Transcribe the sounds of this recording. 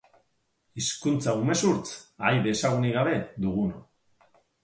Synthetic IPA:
iskunt͡saume̞suɾt͡sajβe̞ːsaɣ̞uniɣ̞aβe̞d̪uɣ̞uno

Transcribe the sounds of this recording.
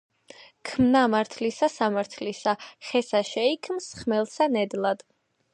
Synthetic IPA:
kʰmnamaɾt̪ʰlisasamaɾt̪ʰlisaχɛsaʃɛikʰmsχmɛlˠsanɛd̪lˠad̪̥

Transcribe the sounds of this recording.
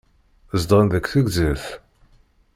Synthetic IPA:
zd̪ˤənðəkʷθəɡzəθ

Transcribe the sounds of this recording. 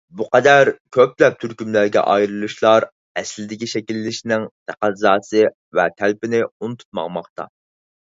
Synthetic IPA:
buqɛd̪æɾkʲʰøplɛp̚t̪ʰyɾkʲymlæɾɡʲɛ̰ʔɑjɾɨlˠuʃlˠɑɾ | ɛslɪd̪ɪkʲiʃɛkʲilːɪʃinɪŋt̪ʰæqæzɑːsɨ | vɛt̪ʰælpɪnɪunut̪ʰu̥t̪̚mɑ̰ŋmɑχt̪ɑ̰

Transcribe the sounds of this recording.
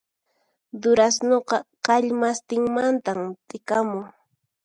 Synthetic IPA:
d̪ʊɾasnoqɑqɑʎmast̪ɪŋmant̪amt̪ɪkamʊŋ

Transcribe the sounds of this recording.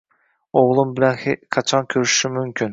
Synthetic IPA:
oʁlˠumbɪlɛnqʰɑt͡ʃʰɑnkʲʰøɾyʃʃimymkʲʰyn

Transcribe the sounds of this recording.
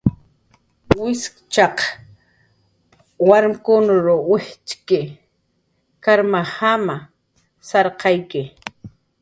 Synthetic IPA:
wɪskt͡ʃɑq | waɾmkʊnʊɾowɪht͡ʃkɪ | kaɾmahama | sɑɾqʰɑjkɪ

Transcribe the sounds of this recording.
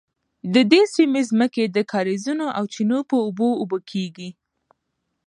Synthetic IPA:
d̪əd̪esimezməked̪əkʰɑɾezunoʔawt͡ʃinopəʊboːbəkʰeɡi

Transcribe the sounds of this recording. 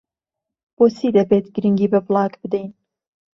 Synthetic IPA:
b̥oːsiːd̪ɐbeːt̪ɡɨɾɨŋɡiːbɐblˠɑːkbɨd̪ejn

